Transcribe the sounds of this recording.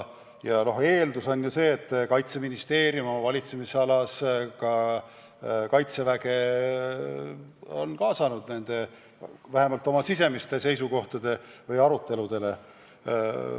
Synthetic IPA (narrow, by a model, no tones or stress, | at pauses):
jɑno̞he̞ːld̪uso̞nʲjuse̞ːt̪ːˑkɑjt̪se̞minist̪e̞ːɾjumvɑlʲit̪se̞misɑlɑskɑ | kɑjt̪se̞væɡe̞ | o̞̰nkɑːsɑnud̪̥̚ne̞nd̪̥e̞ | væhe̞mɑlt̪ːˑo̞mɑsis̬e̞mist̪e̞se̞jsuko̞ht̪ɑd̪̥e̞vɤjɑɾut̪ːe̞lud̪̥e̞le̞